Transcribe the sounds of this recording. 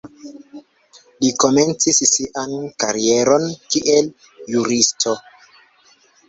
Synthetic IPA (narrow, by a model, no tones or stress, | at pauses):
liko̞me̞nt͡sissiʔankaɾie̞ɾo̞nkiʔel | juɾistʰo